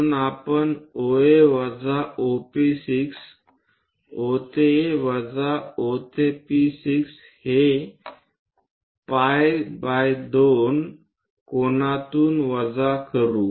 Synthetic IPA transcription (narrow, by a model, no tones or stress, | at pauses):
napəɳoeʋəd͡zaopisiks | ot̪eʋəd͡zaot̪episiks | he | pajbajd̪on | konat̪uːnʋəd͡zakəɾuː